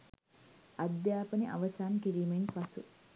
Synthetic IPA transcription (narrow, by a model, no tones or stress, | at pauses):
ɐd̪jaːpəniʔa̰ʋɐsaːnkiɾiːmenpɐsu